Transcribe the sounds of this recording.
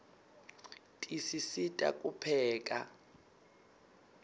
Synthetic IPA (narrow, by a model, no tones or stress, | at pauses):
tʼisisitʼa̰kʼupʰɛːkʼa